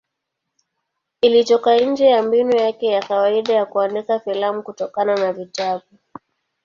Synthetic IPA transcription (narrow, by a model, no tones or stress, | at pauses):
ilitɔkan̩d͡ʒɛjambinujakɛjakawaiɗajakuandikafilamukutɔkananavitaɓu